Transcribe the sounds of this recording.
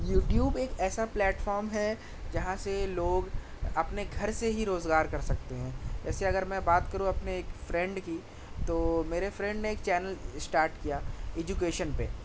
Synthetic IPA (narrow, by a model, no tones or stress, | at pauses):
juːʈjuːbeːkɛːsaplɛːʈfɔːɾmɦɛ | d͡ʒɐɦãseloːɡ | ɐpneɡʱɐɾseɦiɾoːzɡaːɾkɐɾsɐk̚t̪eɦɛ̃ːd͡ʒɛːseɐɡəɾmɛ̃baːt̪kɐɾũɐpneeːkfɾɛ̃ɳɖki | t̪oːmeːɾefɾɛ̃ɳɖneeːkt͡ʃɛːnəlɪsʈaːɾʈkijaːeːd͡ʒukeːʃənpḛː